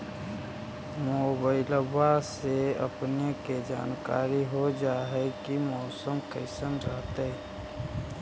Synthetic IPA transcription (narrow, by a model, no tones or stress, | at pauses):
moːbaːɪləbaseə̰pneked͡ʒa̰ːnka̰ːɾiɦod͡ʒaːɦɛkimɔːsəmkəɪsənɾəɦt̪eɦɛ